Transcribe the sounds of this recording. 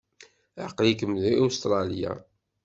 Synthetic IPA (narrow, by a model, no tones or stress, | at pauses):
aqlikəmðiust̪ɾˤɑlja̰